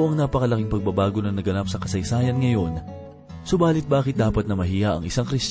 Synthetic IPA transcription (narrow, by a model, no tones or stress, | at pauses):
ʔɐŋnaːpɐkɐlɐkɪŋpɐɡ̚bɐbaːɡo̞nɐnɐɡɐnapsɐkɐsɐjsaːjɐnŋɐjo̞n | sʊbaːlɪt̪̚baːkɪt̪̚d̪aːpɐt̪̚nɐmɐɦiːjɐʔɐ̰ŋʔɪsaŋkɾɪst͡ʃ